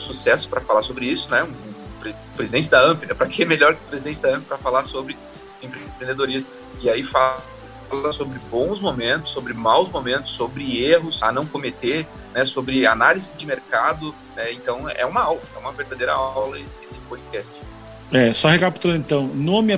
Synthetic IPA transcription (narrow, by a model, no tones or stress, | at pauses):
susɛsʊ̥pɾɐfalaɾsobɾɪisʊnɛʊ̃pɾe | pɾezidẽt͡ʃɪd̪aɐ̃pɪnɛpɾɐkẽɛmeʎɔɾkɪʊ̥pɾezid̪ẽnt͡ʃɪd̪aɐ̃pɪpɾɐfalaɾsobɾɪ | ẽpɾpɾẽnd̪ed̪oɾizmʊ | ɪaifa | lɐsobɾɪbõw̃zmomẽnt̪ʊ̥sːobɾɪmawzmomẽnt̪ʊ̥sːobɾɪeɦʊsa̰nɐ̃w̃komet̪eɾ | nɛsobɾɪa̰nalizɪzd͡ʒɪmeɾkad̪ʊ | nɛẽnt̪ɐ̃w̃ɛ̰ũmɐawlɐɛ̰ũmɐveɾd̪ad̪ejɾɐ̰awlɐ | esɪ̥pod͡ʒɪkɛst͡ʃɪ̥ | ɛsɔhekapi̥t̪ulɐẽt̪ɐ̃w̃nõɐmĩɐ